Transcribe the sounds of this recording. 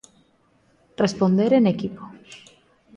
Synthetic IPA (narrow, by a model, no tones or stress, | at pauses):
respond̪eɾenekipo̥